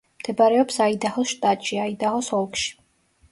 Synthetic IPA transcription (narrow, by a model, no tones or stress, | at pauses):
md̪̥ɛbaɾɛɔpsaid̪aχɔlˠʃt̪ʼat̪ʼʃiaid̪aχɔsɔlˠkʼʃi̥